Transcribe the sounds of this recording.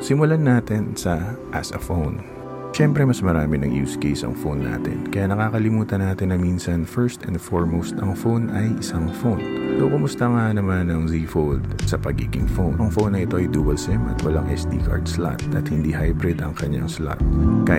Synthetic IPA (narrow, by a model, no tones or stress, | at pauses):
sɪmʊlanaːt̪ɛnsɐʔɐsɐfown | ʃɛmpɾɛmɐsmɐɾaːmɪnɐŋjṵːskɛjsɐ̰ŋfownːa̰ːt̪ɛ̰nkɐjanɐkaːkɐlɪmuːt̪ɐnaːt̪ɪnɐminsɐnfɛɹst̪ɐ̃nd̪foɹmost̪ɐŋfonʔɐjʔɪsaŋfownsokʊmʊst̪ɐŋanɐmanɐŋziːfold̪̚sɐpɐɡiːɡɪŋfownʔɐŋfownɐʔɪt̪o̞ʔɐjd̪uːbɐlsɛmʔɐ̰t̪wɐ̰laŋʔɛ̰sd̪ḭːkʰa̰ɹd̪sla̰t̪ʔɐt̪hɪnd̪iːɦajbɾɪd̪ɐŋkɐɲːa̰ŋsla̰t̪̚ka